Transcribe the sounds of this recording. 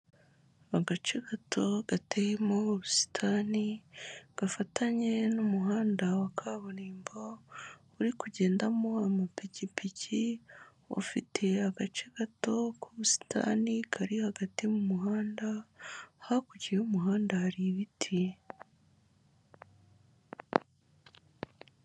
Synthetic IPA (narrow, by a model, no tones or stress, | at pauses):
aɡat͡ʃeɡatʰo̞ɡ̥atejemoβusi̥tʰaniɡ̥afatʰaɲe̞numuɦaːndawakʰaːβoniːmbo | uɾikuɟe̞ːndamo̞amapicipʰici | o̰fitʰe̞haɡat͡ʃe̞ɡ̥ato̞kuɾusi̥tʰa̰nikʰaɾihaɡatimumuɦaːnda | hakuɟiɾeumuɦaːndahaɾiβitʰi